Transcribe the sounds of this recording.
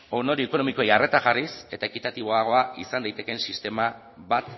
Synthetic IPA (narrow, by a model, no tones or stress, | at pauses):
o̞no̞ɾieko̞no̞miko̞ejare̞t̪aʝarise̞t̪ae̞kit̪at̪iβo̞aɣ̞o̞aisand̪ajt̪e̞ke̞nsist̪e̞ma | βat̪